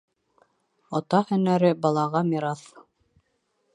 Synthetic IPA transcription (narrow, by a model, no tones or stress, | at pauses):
ot̪ɑhɵ̆næɾɘbɑlˠɑʁɑmiɾɑθ